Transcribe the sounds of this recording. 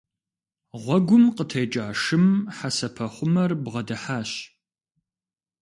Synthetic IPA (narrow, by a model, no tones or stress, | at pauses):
ʁʷɔɡʷʊmqətʰɐjt͡ʃʼaːʂɨmħasɐpʰɐχʷʊmɐrbʁɐdɐħaːɕ